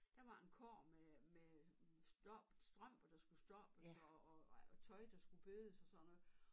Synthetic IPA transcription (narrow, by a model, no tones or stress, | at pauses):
d̥ɑ̈ʋɑ̈e̝nkʰɒ̰ːmemesd̥ɒb̥sd̥ʁɶm̰b̥ɐd̥ɑ̈sɡ̥usd̥ɒ̽b̥əsɒːt͡sʰɒ̽ɪd̥ɑ̈sɡ̥ub̥øːðˠəsɒ̽sɒ̽n̰ɒ